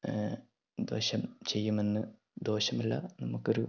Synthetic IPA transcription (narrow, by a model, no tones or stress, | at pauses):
d̪o̞̰ːɕɐmt͡ɕe̞jːume̞nːɨ | d̪o̞ːɕɐmɐlːɐ̰nɐmukːo̞ɾu